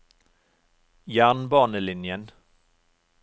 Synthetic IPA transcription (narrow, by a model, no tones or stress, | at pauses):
jæːɳbɑːɳəlɪnjən